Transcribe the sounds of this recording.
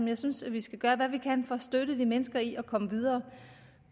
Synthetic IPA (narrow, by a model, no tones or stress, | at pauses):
mjɑ̈ɪsynsʋisɡ̥æɡ̥ɶːɐʋæʋikʰænfɒ̽sd̥øɾ̥əd̥imenəsɡ̥ɐiʔɒ̽kʰɒ̽məʋið̞ˠɐː